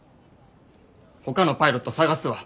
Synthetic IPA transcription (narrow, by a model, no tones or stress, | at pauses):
ho̞kano̞paiɾo̞t̪ːosaɡasɨβa